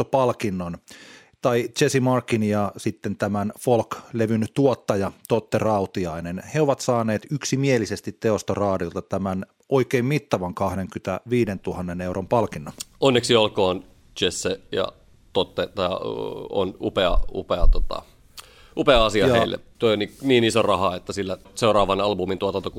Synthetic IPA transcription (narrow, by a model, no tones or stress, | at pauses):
opɑlkinːon | t̪ɑit͡ʃesimɑrkːinjɑsit̪ːent̪æmænfolkleʋynt̪uot̪ːɑjɑt̪ot̪ːerɑut̪iɑinenheoʋɑt̪sɑːneːt̪yksimielisest̪it̪teost̪orɑːdiolt̪ɑt̪æmæn | oikeimmit̪ːɑʋɑŋkɑhdeŋkyt̪æʋiːdent̪uhɑnːeneurʔompɑlkinːoonːeksiolkoːn | t͡ʃesːejɑ̰ | t̪ot̪ːet̪ɑɑo̰nupeɑ̰ṵpeɑt̪ot̪ɑ̰ | ʔupeɑɑsiɑjɑeilːḛt̪oioniniːnisorɑhɑet̪ːæsilːæ | seuɾɑːʋɑnɑlbumint̪uot̪ɑnt̪oku